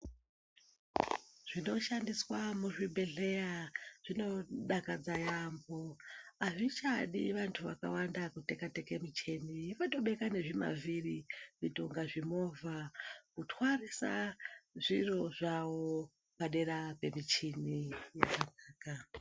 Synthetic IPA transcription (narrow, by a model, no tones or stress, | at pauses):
ʐ̥ino̞ʃandiswamuʐibe̞ɮe̞jaʐ̥ino̞ɗakad͡zajambo̞aʐit͡ʃaɗḭʋantʰuʋaka̰wandakutekate̞ke̞mit͡ʃe̞niifato̞ɓe̞kane̞ʐima̰vʱiriʐitoŋɡaʐimo̞vʱakutwarisa̰ʐiro̞ʐawo̞ | paɗe̞ɾape̞mit͡ʃinija̰kanaːka